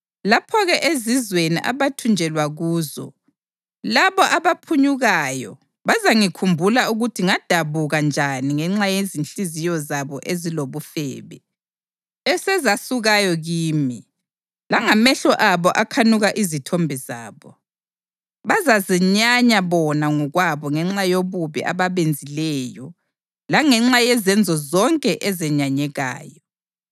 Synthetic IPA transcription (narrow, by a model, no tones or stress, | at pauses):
lapʰɔɣɛʔezizweniʔa̰βatʰund͡ʒʱɛlwaɣuːzɔ̰ | laβɔʔaβapʰuɲuɣajɔ̰ | βazaŋikʰumbʱulauɣutʰiŋad̥ʱaβuɣand͡ʒʱaniŋɛŋ͡ǁajezinɬizijɔzaβɔʔeziloβufɛ̰ːβɛ̰ | ɛsɛzasuɣajɔɣiːmi | laŋamɛɬɔʔaβɔʔakʰanuɣaʔizitʰɔmbʱiza̰ːβɔ | βazazɛɲaɲaβɔnaŋɔɣwaβɔŋɛŋ͡ǁajoβuβḭʔa̰βaβend͡zʱilɛjɔ | laŋɛŋ͡ǁajɛzɛnd͡zʱɔzɔŋkʼɛʔɛzɛɲaɲɛɣa̰ːjɔ